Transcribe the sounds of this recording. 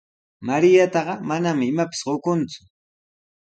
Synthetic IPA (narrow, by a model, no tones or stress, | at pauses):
maɾɪjat̪ɑɢɑmanamɪɪmapɪ̥sɢokʊnt͡sʊ̥